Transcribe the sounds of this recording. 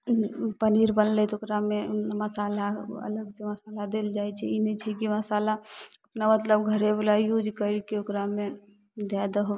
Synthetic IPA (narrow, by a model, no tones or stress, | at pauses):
pəniɾbənlɛt̪okɾameməsaːlaə̰ləɡseməsalad̪eld͡ʒajt͡ʃʰɛinɛt͡ʃʰɛkiməsaːlaəpnamət̪ləbɡʱəɾebulaijud͡ʒkəɾikeokɾame | d̪ad̪əɦo